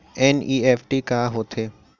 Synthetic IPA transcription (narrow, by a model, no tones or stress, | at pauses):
eːniːeːfʰʈikaːɦoːt̪ʰeː